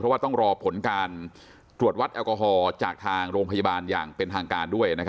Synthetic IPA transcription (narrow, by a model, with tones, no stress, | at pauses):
ɾɔ˦˥waː˥˩t̪ɔ˥˩ŋɾɔː˧pʰo˩˦nkaː˧n | t̪ɾu˨˩ət̪̚wa˦˥t̪ʔɛː˧wkɔː˧ɦɔː˧t͡ɕaː˨˩k̚t̪ʰaː˧ŋɾoː˧ŋpʰa˧ja˧baː˧nja̰ː˨˩ŋpe˧nt̪ʰaː˧ŋkaː˧ndu˥˩əjna˦˥kʰ